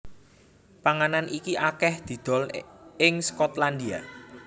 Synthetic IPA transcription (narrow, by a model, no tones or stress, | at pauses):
paŋananʔikiʔakɛhd̪̥i̤d̪̥ɔ̤lɪŋskɔt̪land̪ia̰